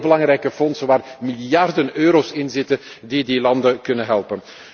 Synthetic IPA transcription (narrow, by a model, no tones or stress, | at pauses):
bəlɑŋɾɛjkəfɔnsənʋaːrmiljɑrdənøːɾoːsɪnzɪtən | didilɑndəkɵnəɦɛlˠpən